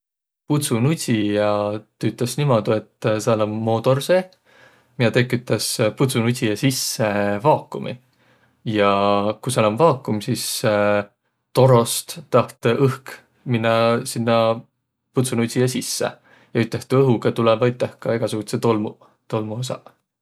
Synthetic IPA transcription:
put̪sunuijɑt̪yt̪ːˑesnimod̪̥ue̞t̪ːsɑlɑmːo̞ːt̪o̞rse | miɑt̪ekːˑyt̪ːˑɑsput̪sunusʲijɑsisːevɑːkːumʔḭ | jɑkusɑlɑmvɑːkːˑumsis | t̪o̞ɾo̞st̪t̪ːɑht̪ɤhk | minːɑsinːɑ | put̪sunusʲijɑsisːḛ | jɑyt̪ːˑeht̪ɤɦukɑt̪ulɛvɑyt̪ːˑehkɑe̞ɡ̥ɑsuɡ̥ut̪set̪olmṵ | t̪o̞lmuosɑ̰

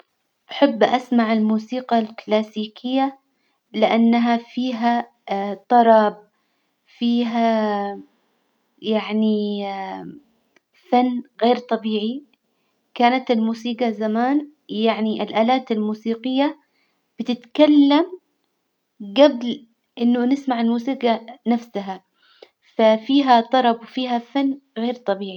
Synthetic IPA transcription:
ʔaħabːʔasmaʕɪlmuːsiːqɑlklaːsiːkʰɪjːa | lɪʔanːaɦafiːɦa | t̪ˤɑɾˤɑb̚ | fiːɦa | jaʕni | fanːɣeːɾt̪ˤɑbiːʕi | kaːnat̪ɪlmuːsiːɡɑzamaːn | jaʕniʔɪlʔaːlaːt̪ɪlmuːsiːqɪjːa | b̥ɪt̪ɪt̪kalːam | ɡabl | ʔɪnːʊnɪsmaʕɪlmuːsiːqɑnafsaɦa | fafiːɦat̪ˤɑɾˤɑbwfiːɦafanːɣeːɾt̪ˤɑbiːʕi

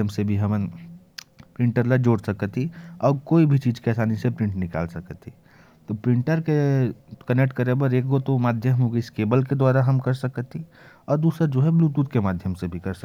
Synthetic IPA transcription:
jəmsebʱiɦɐmən | pɾɪ̃ɳʈəɾlad͡ʒoːɽsəkət̪iɔːɾkoːibʱit͡ʃiːd͡ʒkeɛːsaːnisepɾɪ̃ɳʈnɪka̰ːlsɐkət̪ʰi | t̪opɾɪ̃ɳʈəɾkekənek̚ʈkəɾebəɾeːk̚ɡot̪omaːd̪ʱjəmɦoɡiskeːbəlked̪waːɾaɦɐmkɐɾsəkət̪ʰi | ɔːɾd̪uːsɾad͡ʒoːɦɛbluːt̪uːt̪kemaːd̪ʱjəmsebʱikɐɾsə

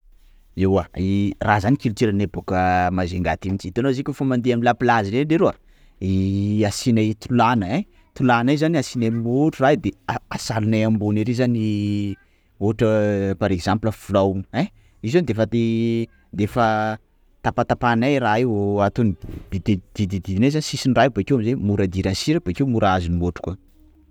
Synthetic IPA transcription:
ewairazanikilut̪eɾanebokəmazeŋɡa̰t̪imit͡ʃit̪enozikʲofamand̪iamlapilaziɾeɖ͡ʐeɾoa | iasinat̪ulanəe | t̪ulanajzaniasinamuʈ͡ʂurad̪eaasalunajambuneɾezani | oʈ͡ʂəpaɾekzampləfulawuɛ | izand̪efat̪e | d̪efə | t̪apat̪apanajraat̪unid̪̥id̪ed̪̥id̪id̪id̪inajzanisisinrajbekewamizemuɾad̪iɾansiɾəb̥ekewmuɾʔaazinimoʈ͡ʂu̥ka

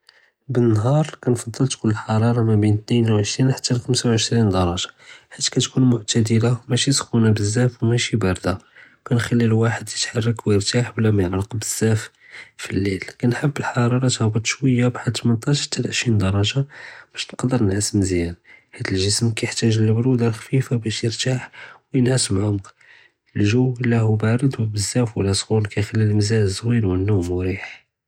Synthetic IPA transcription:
bənːɦɑɾˤkænfɑd̪ˤːəlt̪kʊlːəlħɑɾˤɑɾˤɑmæbint̪ninwʕəʃɾinħat̪ːælxəmsawʕəʃɾind̪ɑɾˤɑʒɑ̥ħat̪ːi̥kæt̪kunmʊʕt̪æd̪əlamæʃisxunæbəzːæfwmæʃibɑɾˤd̪a | kænxælːilwaħəd̪jət̪ħɑrˤːɑkwjəɾt̪aħblæmanəlqbəz̥ːæf | filːilkænħəbːəlħɑɾˤɑɾˤɑt̪hæbɑt̪ˤːʃwəjːabħad̪t̪mənt̪ˤɑʃt̪ʰːælʕəʃɾind̪ɑɾˤɑʒɑb̥æʃnqɑd̪əɾnəlʕasəmzjænhæd̪əlʒəsmkæjəħt̪æʒəlːəbɾud̪ɑlxfifabæʃjəɾt̪aħwjənʕat̪əmʕʊmq | əlʒuwəlːæhubaɾˤəd̪wbəzːæfwəlːæsˤɣulkæjxælːilməzæʒzwilwənːumʊɾiħ

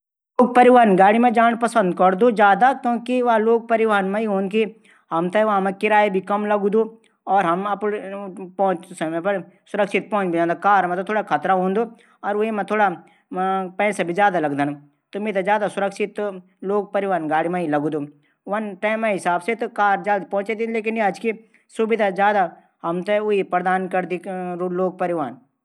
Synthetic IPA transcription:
loːɡ̚pɐɾɪʋaːnɡaːɽimẽd͡ʒaːɳpɐsə̃nd̪kɐɽd̪od͡ʒjaːd̪akjõːkiʋɐɦloːɡ̚pɐɾɪʋaːnmẽiɦõːnki | ɦɐmt̪eʋɐɦmẽkɪɾaːebʱikɐmlɐɡd̪o | ɔːɾɦɐmɐppɔ̃ːʊ̃t͡ʃsɐmẽpɐɾ | sʊɾəkʃɪt̪̚pɔ̃ːʊ̃t͡ʃbʱid͡ʒãːnd̪akaːɾmẽt̪ot̪ʰoːɽakʰɐt̪ɾaɦõːnd̪o | ɔːɾʋemẽt̪ʰoːɽa | pɛ̃ːsabʱizjaːd̪alɐɡd̪an | t̪omẽt̪ad͡ʒjaːd̪asʊɾəkʃɪt̪ | loːɡ̚pɐɾɪʋaːnɡaːɽimãilɐɡud̪o | ʋɐnʈaːɪmãɦɪsaːbset̪okaːɾd͡ʒaːd̪pɔ̃ʊ̃t͡ʃed̪ileːk̬ɪnjiɐd͡ʒki | sʊbɪd̪ʱazjaːd̪a | ɦɐmt̪eʊipɾɐd̪aːnkɐɾd̪iɾloːɡ̚pɐɾɪʋaːn

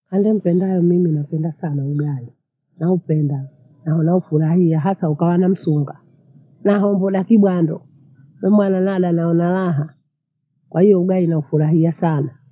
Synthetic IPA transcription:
handɛm̩pɛndajɔmiminapɛndasanauɡai | naupɛnda | naɦɔnaufuɾahiaɦasaukawanam̩suŋɡa | naɦɔmbɔɗakiɓwandɔ | wɛmwananaɗanaɔnalaɦa | kwʔahijɔuɡainaufuɾaɦiasana

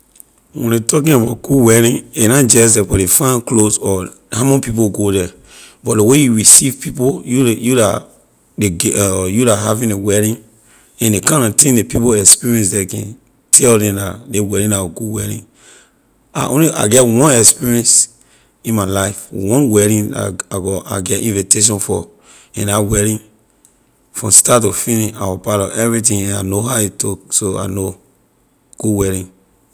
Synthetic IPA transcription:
wɛ̰̃netɔk̬ĩnabat̚ɡ̥uwɛɾĩnenãd͡ʒɛs̬dɛbɔlefãnklosɔ | hãmɔ̃pipoɡodɛ | bɔdewejuɹisivpipojujula̰ | deɡjulaɦavĩnewɛɾĩn | ɛ̃ndekãnãtɛ̃depipoɛkspiɹiɛ̃nsdɛkɛ̰̃n | tʰɛldɛ̃mdadewɛɾĩnaɔɡuwɛɾḭ̃n | a̰ʔõnliʔa̰ɡɛtwɔ̃nɛkspiɹiɛ̃ns | ĩnmalaɪfwɔ̃nwɛɹĩna̰aɡɔʔa̰ɡɛtĩnviteʃ̬ɔ̃nfɔ | ɛ̃nawɛɹĩn | fɹɔ̃mstatufiniʃawapaɾɔɛvɹit̬ĩɛ̃nanoɦajitʰɔksoa̰no | ɡ̥uwɛɹĩn

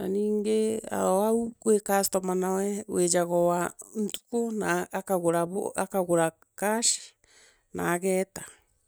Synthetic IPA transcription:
naniːŋɡea̰ɾɔaukwekastɔmanawɛwʔed͡ʒaɣɔwan̩tu̥konaːkaɣoɾaβo̰akaɣoɾa | kaʃi̥ | naːɣɛːta

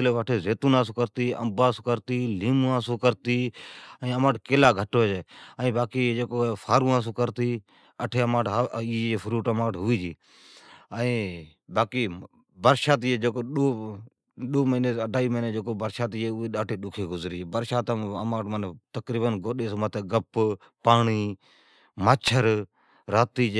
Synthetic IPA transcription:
leːʋəʈʰeːzeːt̪uːnãːsoːkəɾt̪iːə̰mbaːsokəɾt̪iːliːmuːãːsoːkəɾt̪iːəĩːəmaːʈkeːlaːɡʱəʈoːd͡ʒeːəĩːbaːkiːd͡ʒeːkoːfʰaːɾũːãːs̬oːkəɾt̪iː | əʈʰeːəmãːʈːiːefʰʊɾuːʈəmãːʈɦʊʋiːd͡ʒiː | əĩː | baːkiː | bəɾʃaːt̪ːeːd͡ʒeːkoːɗoː | ɗoːməneəɖʱaːiːməneːd͡ʒeːkoːbəɾʃaːt̪ieːʊeːɗaːʈʰeːɗʊkʰeːɡʊzɾiːd͡ʒeːbəɾʃaːt̪ːəmãːʈmənt̪əkɾiːbənɡoːɗeːsoːmət̪eːɡəp | paːɳiː | maːt͡ʃʰəɾ | ɾaːt̪iːd͡ʒ

